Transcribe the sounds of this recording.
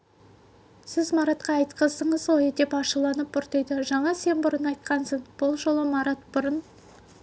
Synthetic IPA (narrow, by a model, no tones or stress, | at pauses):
sɪzmɑɾɑt̪qɑːjt̪qəzəɴəzoed̪e̞pɑʃəlˠɑnəpʊɾt̪əjd̪əʒɑɴɑse̞nbʊɾənɑjt̪qʰɑnsəɴb̥ʊlˠʒo̞lˠəmɑɾɑt̪bʊɾən